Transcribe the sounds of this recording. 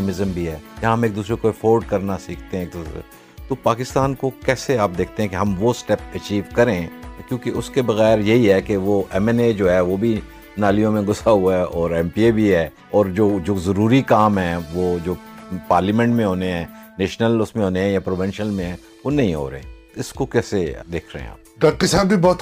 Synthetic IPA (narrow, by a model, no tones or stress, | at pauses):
mɪzəmbʱiɦɛːjaɦɐmeːk̚d̪uːs̬ɾekoefoːɾɖkɐɾnasiːkʰt̪eɦɛ̃eːk̚d̪uːsɾḛ | t̪opaːkɪst̪aːnkokɛːseaːp̚d̪eːk̚ʰt̪ẽɦɛ̃keɦɐmʋosʈɛpɐt͡ʃiːʋkɐɾẽːkjõːkeʔʊskebɐɣɛːɾjɐɦiɦɛkeʋoʔɛmɛned͡ʒoːɦɛʋobʱi | naːlijõmẽɡʊsaɦuaɛɔːɾɛ̃mpiebʱiɦɛː | ɔːɾd͡ʒoːd͡ʒoːzɐɾuːɾikaːmɦɛ̃ːʋoːd͡ʒoːpaːɾlimɛ̃ɳʈmẽɦoːneɦɛ̃ːneːʃnəlʊsmẽɦoːneɦɛ̃japɾoːʋɪ̃nʃəlmẽɦɛ̃ː | ʋonɐ̃ɦĩɦo̰ːɾɐ̰ḛ̃ː | ɪskokɛːsed̪eːkʰɾɐ̰ɦḛ̃a̰ːp̚ɖɐkkːisaːbbʱibɔːt̪